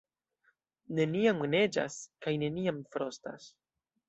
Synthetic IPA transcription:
ne̞niamɡne̞d͡ʒa̰skajne̞niamfɾo̞sta̰s

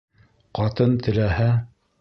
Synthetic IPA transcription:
qɑt̪ɤnt̪ɘ̆læhæ

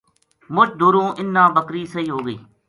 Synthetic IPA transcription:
mʊt͡ʃd̪uːɾõːʔɪnːãːbəkɾiːsəɦiːɦoːɡəḭː

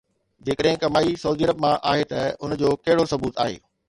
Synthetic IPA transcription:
d͡ʑeːkəɗɦɪ̃kɐmaːisɐuːd̪iɐɾəbmãʔaːɦet̪ɐʊnd͡ʑoːkɐɦɪɽosɐbuːt̪a̰ːɦḛː

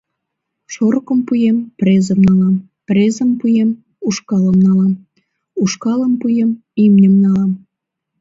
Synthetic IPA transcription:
ʃoɾkəmpujemprʲezəmnɑlɑm | prezəmpujem | uʃkɑləmnɑlɑm | uʃkɑləmpujem | imnʲəmnɑlɑm

